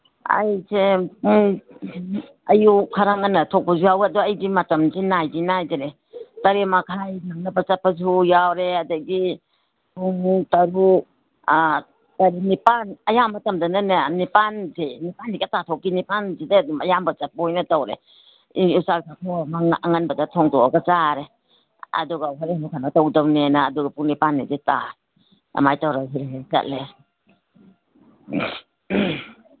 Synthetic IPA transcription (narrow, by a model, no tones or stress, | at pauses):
ɐ̰jseŋ | ɐjukʰaɾaŋanɐtʰok̚pɐzujawɐdɔɐjbimɐtɐmzinajbinajdaɾe | tɐɾemakʰajnɐŋnɐbɐt͡ʃɐpːɐzujawɾeɐdɐɡi | uŋtɐɾu | tɐɾinipanɐjamɐtɐmdɐnɐnɐnipanzenipanːikatatʰɔkinipanzidedumajambazap̚ojnatawɾḛ | iusaksatʰɔamaaŋanbadatʰɔŋdɔaɡat͡ʃaɾe | ɐ̰duɡawɦaɾihanukʰanatawdawnenaːduɡapuŋnipanːideta | a̰majtawɾaɦeɦeza̰t̚le